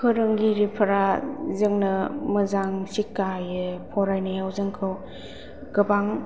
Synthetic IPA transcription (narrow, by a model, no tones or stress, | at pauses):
kʰɯɾɯŋɡiɾipʰɐɾazɯŋnɯməzaŋsikːajɯpʰɔɾajnajawzɯŋkʰɯw | ɡ̥ɯbaŋ